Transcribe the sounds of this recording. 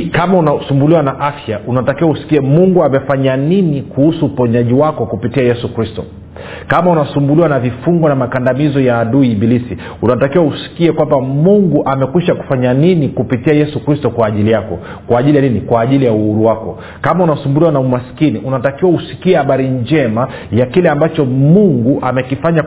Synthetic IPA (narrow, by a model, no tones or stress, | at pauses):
kamaunasumbuliwanaʔafjaʔunatakiwausi̥kiɛmuŋɡuamɛfaɲaninikuhusuːpɔɲaʄiwakɔkupitiajɛsukɾistɔ̰ | kamaunasumbuliwanavifuŋɡɔnamakandamizɔjaːɗuibilisi | unatakiwausi̥kiɛkwambamuŋɡuʔamɛkwiʃaku̥faɲaninikupitiajɛsukɾistɔkwaːʄilijakɔ | kwaːʄilijaninikwaːʄilijauhuɾuwakɔ | kamaunasumbuliwanaumaskiniʔunatakiwausi̥kiɛhaɓaɾind͡ʒɛma | jakilɛambat͡ʃɔmuŋɡuʔamɛkifaɲa